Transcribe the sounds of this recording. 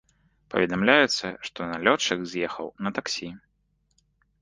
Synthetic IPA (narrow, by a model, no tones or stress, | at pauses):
pɐ̰vʲɛd̪amlʲajut̪sːɐʂt̪ɔnalʲɔt͡ʂɐɣzʲjɛxɐ̰wnɐt̪aksʲi